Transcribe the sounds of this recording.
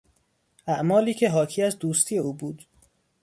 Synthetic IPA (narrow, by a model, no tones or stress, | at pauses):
ʔæʔmɒːliːcʰe̞ɦɒːcʰiːæzd̪uːst̪ʰiːje̞uːbuːd̪